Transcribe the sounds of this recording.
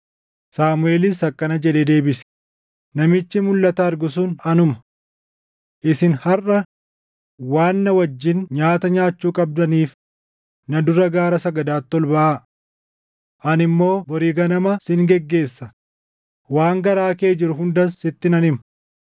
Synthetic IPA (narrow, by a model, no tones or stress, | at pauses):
saːmʊe̞ːlɪsɐkʼːɐnɐd͡ʒɛᶑ̪eːd̪e̞ːbɪsɛ̥ | nɐmɪt͡ʃːɪmʊlːɐt̪ɐːɾɡʊs̬uːnɐnʊmɐ̥ | ʔɪsɪnhɐrʔɐ | waːnːɐwɐd͡ʒːɪnɲaːt̪ɐɲaːt͡ʃːuːkʼɐb̚d̪ɐniːf | nɐd̪ʊɾɐɡaːɾɐsɐɡɐd̪aːt̪ːɔlbɐʔaː | ʔɐnɪmːo̞ːbɔɾiːɡɐnɐmɐsɪŋɡɛɡːe̞ːsːɐ | waːŋɡɐɾaːke̞ːd͡ʒɪɾʊɦʊnd̪ɐsɪt̪ːɪnɐnɪmɐ